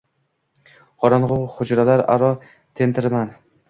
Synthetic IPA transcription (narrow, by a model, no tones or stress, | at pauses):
qʰɒɾɒnʁoχʊd͡ʒɾalaɾa̰ɾɒ | t̪ʰent̪ʰɪɾman